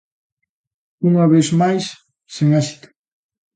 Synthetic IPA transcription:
uŋɐβesmajsː | eŋasi̥t̪ʊ̥

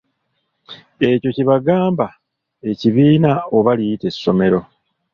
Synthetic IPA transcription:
e̞co̞ciβaɡaːmba | e̞ciβiːnao̞βalijite̞sːo̞me̞ɾo̞

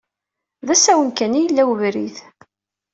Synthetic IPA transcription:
ðæsæwənkænijəlːæwvɾiθ

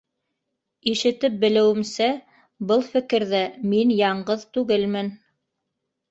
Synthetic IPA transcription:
iʃɘ̆t̪ɘp̚bɘ̆lɘ̆wɘ̆msæ | bɤlˠfɘ̆kɘ̆ɾðæminjɑɴɢɤðt̪ʉɡɘlmɘn

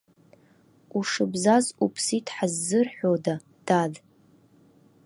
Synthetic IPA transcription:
uʂɨbzazupʰsitʰʼħazːɨrħʷᶣoda | d̥ad

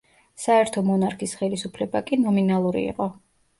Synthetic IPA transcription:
saɛɾt̪ʰɔmɔnaɾkʰisχɛlisupʰlɛbakʼinɔminalˠuɾḭːqʼɔ

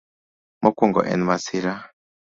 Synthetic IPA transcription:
mɔkuŋɡɔ̰ʔɛ̰nmasiɾa

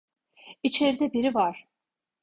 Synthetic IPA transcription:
it͡ʃʰe̞ɾid̪ɛbiɾivaɾ̥

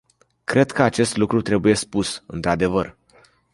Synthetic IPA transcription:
kɾe̞d̪kəat͡ʃe̞st̪lukɾut̪ɾe̞buje̞spusɨ̰nt̪ɾad̪e̞vər

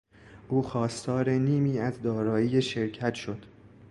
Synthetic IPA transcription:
ʔuːxɒːst̪ɒːɾe̞niːmiːæzd̪ɒːɾɒːiːjeʃe̞ɾcʰæt̪ʃod̪̥

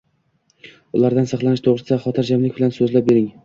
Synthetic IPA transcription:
ʊlˠaɾd̪ansɑχlˠanɪʃt̪ʰoʁɾɪsɪsaχɒt̪ʰɪɾd͡ʒamlɪk̚ʲbɪlansɵzlap̚be̞ɾɪŋ

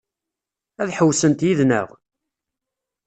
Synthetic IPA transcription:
æðħəwsənt̪jiðnə̰ʁ

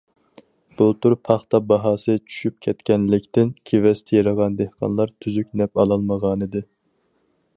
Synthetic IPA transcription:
b̥ulˠt̪ʰuɾpʰɑχt̪ɑbɑɦɑːsɨt͡ʃʰy̥ʃyp̚kʲʰɛt̪kʲɛnlɪkʲt̪ɪnkʲʰevɛst̪ʰɛjɑɾɑʁɑnd̪ehqʰɑ̰nlˠɑɾt̪ʰyzyk̚ʲnɛpɑlˠɑlˠməʁɑːnɨd̪ɪ

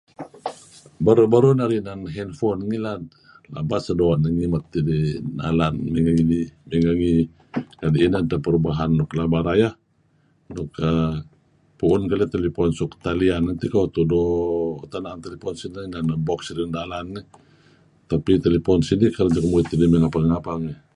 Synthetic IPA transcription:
baɾubaɾunaɾinanɦɛnfɔnŋila | la̰basadoaʔnəŋimat̪ːidina̰lanmiŋaŋinimiŋaŋi | kadiːnant̪apəɾubaɦanːɔklabaɾaja | nɔkə | puʊnkalit̪elipɔnsukt̪alianant̪ikat̪udɔt̪anant̪elipɔnsinananabɔksiɾindalanːi | t̪apit̪elepɔnsinikaɾd͡ʒakəmuit̪ːidimiŋapaŋŋapaŋi

